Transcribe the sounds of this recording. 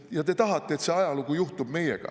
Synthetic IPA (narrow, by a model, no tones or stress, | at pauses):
jɑt̪e̞t̪ɑɦɑt̪ːˑe̞eːt̪se̞ɑjɑlukujuht̪ub̥me̞jḛɡ̥ɑ̰